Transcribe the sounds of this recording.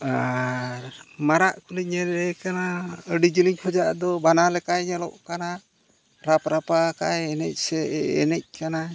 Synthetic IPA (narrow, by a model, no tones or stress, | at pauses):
aɾmaɾaʔkulic̚ɲɛɾɛkanaəɖid͡ʒiliɲkʰɔd͡ʒaʔd̪ɔbanalɛkajɲɛlɔ̰ʔkana | ɾapɾapakajɛnɛc̚sɛɛ̰nɛc̚kana